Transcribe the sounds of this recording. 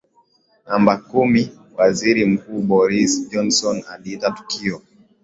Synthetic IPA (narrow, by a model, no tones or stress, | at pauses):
nambakumi | waziɾim̩kuːɓɔɾisd͡ʒɔnsɔnaliitatu̥kʰiɔ